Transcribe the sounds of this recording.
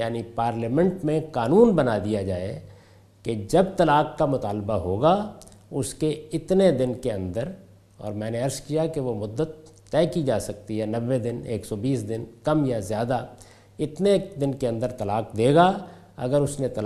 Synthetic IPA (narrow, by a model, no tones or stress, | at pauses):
jaːnipaːɾləmɛ̃ɳʈmẽqaːnuːnbɐnad̪ijad͡ʒaːe | ked͡ʒɐbt̪ɐlaːkkːamʊt̪aːlbaɦoːɡa | ʊskeɪt̪ned̪ɪnkeɐ̃nd̪əɾ | ɔ̰ːɾmɛ̃ːneɐɾskijakeʋomʊd̪ːət̪ː | ɛːkid͡ʒaːsɐk̚t̪iɦɛnɐʋːed̪ɪnḛːksɔbiːsd̪ɪnkɐmjazjaːd̪a | ɪt̪ned̪ɪnkeɐ̃nd̪əɾt̪ɐlaːqd̪eːɡa | ɐ̰ɡəɾʊsnet̪ɐl